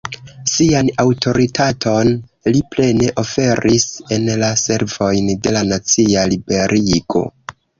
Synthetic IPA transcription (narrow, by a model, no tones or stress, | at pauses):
sianawtʰo̞ɾitʰatʰo̞n | liple̞ne̞ʔo̞fe̞ɾise̞nlase̞ɾvo̞jnde̞lanat͡sialibe̞ɾʔiɡ̥o̞̰